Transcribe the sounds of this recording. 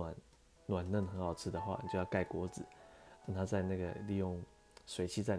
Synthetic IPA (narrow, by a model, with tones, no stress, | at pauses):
a˨˦n | nwa˨˩nlə˥˩nxə˧˥nxɑ˨˩ʊt͡sʰɹ̩˥˩d̪ə˩xwa̰˥˩ni˨˩t͡ɕjo˥˧jɑ˥˧ka˥˩ɪkwɔ˧˥d͡zɹ̩˨˩˦na˥˩t̪ʰa˥t͡sa˥˧ɪna˥˩ɡə˩li˥˧jʊ˥˩ŋ | swe˨˧˥ɪt͡ɕʰi˥t͡sa˥˩ɪ